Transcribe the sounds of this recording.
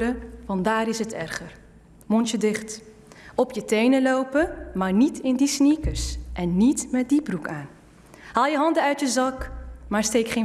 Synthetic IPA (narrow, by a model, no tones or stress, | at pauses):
ɾəʋɑndaːɾɪsɦətʰɛ̰rχər | mɔntədɪχt | ɔpjətejnəlowpəmaːɹnitɪndisnikəɹsʔɛnːitmɛt̚diprukaːn | ɦaːlˠjəɦɑndəœɥtjəzɑkmaːɹstejkχe